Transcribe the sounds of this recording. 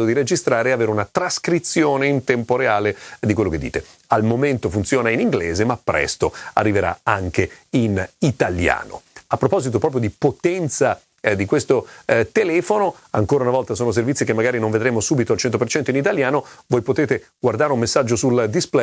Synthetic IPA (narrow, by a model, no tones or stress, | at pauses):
od̪iɾed͡ʒist̪ɾaːɾeaveːɾeunat̪ɾaskɾit̪sːjoːneint̪ɛmpoɾeaːled̪ikwelːoked̪ːḭːt̪e | almoment̪ofunt̪sjoːnainiŋɡleːzemapːɾɛ̰st̪oa̰rːiveɾa̰a̰ŋkeinit̪alja̰ːno̰apːɾopɔzit̪̬opɾɔpɾjod̪ipot̪ɛnt̪sa | d̪ikwest̪ot̪elɛːfono | aŋkoːɾaunavɔlt̪asoːnos̬ervit̪sːikemːaɡaːɾinõɱved̪ɾeːmosuːbit̪oalt͡ʃɛnt̪opert͡ʃɛnt̪oinit̪aljaːnovoːjpot̪eːt̪eɡward̪aːɾeumːesːad͡ʒːosuld̪isplɛ